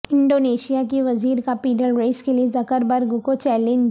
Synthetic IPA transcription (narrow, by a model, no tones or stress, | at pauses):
ɪ̃ɳɖoːneːʃijakeʋɐziːɾkapiːɖəlɾeːskeliezɐkəɾbəɾɡʊkot͡ʃɛːlɪn